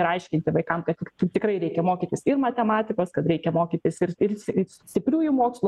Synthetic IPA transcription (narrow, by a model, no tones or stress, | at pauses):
ɪɾɐɪʃʲkʲɪnʲt̪ʲɪʋɐɪkɐmkɐt̪ʲɪkt̪ɪt̪ʲɪkɾɐɪɾʲɛɪkʲɛmoːkʲiːt̪ʲɪsɪrmɐt̪ʲɛmɑːt̪ʲɪkoːskɐt̪ɾʲɛɪkʲɛmoːkʲiːt̪ʲɪsɪrɪrsssʲt̪ʲɪpʲɾʲuːjʊmoːkslˠʊ